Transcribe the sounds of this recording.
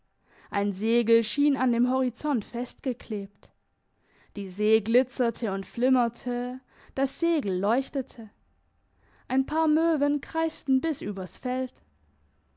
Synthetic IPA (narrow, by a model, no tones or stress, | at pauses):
ʔaɪnzeːɡl̩ʃiːnandeːmɦɔʁ̞it͡sɔntfɛst̚ɡ̥əkʰleːpt | d̥iːzeːɡlɪt͡sɐtʰəʊntflɪmɐtʰə | d̥asz̥eːɡl̩lɔʏçtətʰə | ʔaɪnpʰaːɐmøːvənkʁ̥aɪstn̩bɪsʔyːbɐsfɛlt